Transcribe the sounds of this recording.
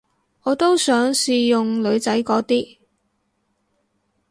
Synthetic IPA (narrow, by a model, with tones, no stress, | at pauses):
ɔː˨˧t̪o˥wsœː˨˥ŋsiː˨jʊ˨ŋlɵ˨˧ɥt͡sɐ˨˥jkɔː˨˥t̪iː˥